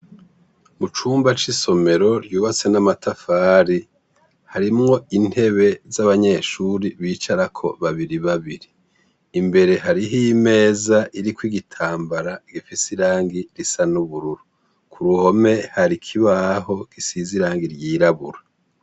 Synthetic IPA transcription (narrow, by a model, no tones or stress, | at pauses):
mut͡ʃuːmbat͡ʃiso̞me̞ɾo̞ɾjuːβat͡se̞namatafaːɾi | haɾimŋo̞in̥he̞βe̞zaβaɲe̞ʃuɾiβiːt͡ʃaɾakʰo̞βaβiɾiβaβiɾiː | mbe̞ɾe̞ɦaɾiɦime̞ːzaʔiɾikwiɡitʰaːmbaɾaɡifisiɾaːŋɡiɾisanuβuɾuɾu | kʰuɾuho̞me̞haɾikʰiβaɦo̞ɡ̥isiziɾaːŋɡiɾjiːɾaβṵɾa